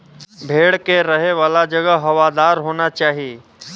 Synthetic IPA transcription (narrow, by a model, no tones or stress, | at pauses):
bʱeːɽkeɾəɦeʋaːlad͡ʒəɡəɦɐʋad̪aːɾɦoːnat͡ʃaːɦijeː